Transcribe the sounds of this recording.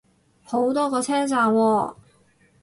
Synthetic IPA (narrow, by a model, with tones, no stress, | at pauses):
ho˨˥wt̪ɔː˥kɔː˧t͡sʰɛː˥t͡saː˧wwɔː˧